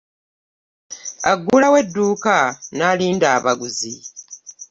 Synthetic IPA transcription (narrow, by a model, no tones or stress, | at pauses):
a̰ɡːulawe̞dːuːkanaliːndaːβaɡuzi